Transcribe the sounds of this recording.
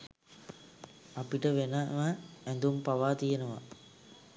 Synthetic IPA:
apiʈəʋenaʋaænd̪umpaʋaːt̪ijənəʋa̰

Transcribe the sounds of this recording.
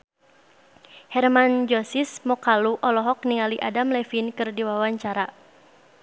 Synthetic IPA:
hɛrmand͡ʒɔsismɔkaluʔɔlɔɦɔk̚niŋaliʔadamlɛfinkɨrdiwawaɲt͡ʃaɾa

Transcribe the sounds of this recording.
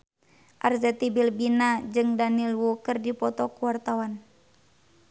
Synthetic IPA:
ʔarzɛt̪ibilbinad͡ʒɨŋdanilwukɨrdipɔt̪ɔkuwart̪awan

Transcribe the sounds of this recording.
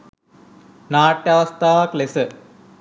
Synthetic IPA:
naːʈːɐʋɐst̪ʰaːʋɐklesɨ

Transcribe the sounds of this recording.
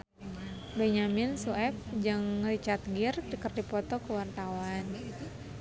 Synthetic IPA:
beɲamɪnsuɛp̚d͡ʒɨŋlit͡ʃat̪̚ɡirdəkərdipɔt̪ɔkəwart̪awan

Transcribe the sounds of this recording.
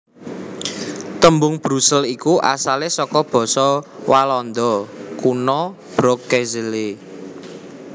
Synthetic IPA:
t̪əmbʊŋb̥ɾusəlikuʔa̰salesɔkɔb̥ɔ̤sɔwalɔnd̪ɔkunɔ | b̥ɾɔkezəle

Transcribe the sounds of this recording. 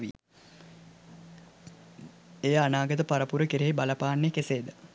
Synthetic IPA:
ʋḭ | ejəanaːɡət̪əpaɾəpuɾəkiɾeɦibaləpaːnːekeseːd̪ə

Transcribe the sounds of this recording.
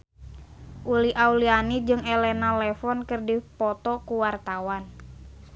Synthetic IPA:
ʔuliʔaulianid͡ʒɨŋɛlɛnalɛfɔnkərdipɔt̪ɔkuwart̪awan

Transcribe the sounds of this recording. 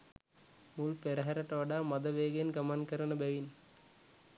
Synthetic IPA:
mulpeɾəɦæɾəʈəʋaɖaːmad̪əʋeːɡenɡamankəɾənəbæʋin

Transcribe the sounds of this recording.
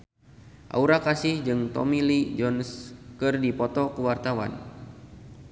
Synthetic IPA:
ʔa̰uɾakasɪhd͡ʒɨŋt̪ɔ̰milid͡ʒɔnskɨrdipɔt̪ɔkuwart̪awa̰n

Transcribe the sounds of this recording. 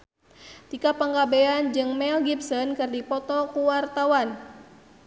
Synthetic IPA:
t̪ikapəŋɡabɛand͡ʒɨŋmɛlɡipsɔnkɨrdipɔt̪ɔkuwart̪awan

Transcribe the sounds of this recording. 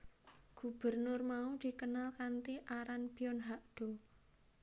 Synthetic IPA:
ɡ̥ub̥ərnʊrmaud̪̥i̤kənalkant̪iʔaɾanbiɔnɦaʔɖ̥o̤

